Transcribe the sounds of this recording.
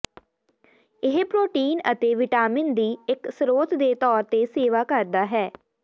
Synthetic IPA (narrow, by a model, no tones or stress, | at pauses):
ɪɦpɾoːʈiːnət̪eːʋɪʈaːmɪnd̪iːɪksɾoːt̪d̪eːt̪ɔːɾt̪eːseːʋaːkəɾd̪aːɦɛː